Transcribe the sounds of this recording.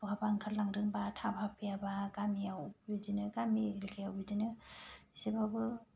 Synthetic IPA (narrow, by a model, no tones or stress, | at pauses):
pɔabaŋkʰalːaŋɾɯŋbatʰabʱapʰijabaɡamiawbidinɯɡamiɾikʰijawbidinɯisebabɯ